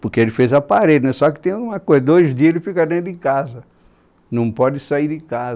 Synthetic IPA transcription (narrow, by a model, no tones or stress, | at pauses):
pʊɾkeelɪfezɐpaɾedɪnɛsɔkɪ̥t̪ẽj̃aɡũmɐkojzɐd̪ojzd̪iɐelɪfikɐd̪ẽt̪ɾʊɪ̃kazɐ | nɐ̃w̃pɔd̪ɪsaiɾdɪkaz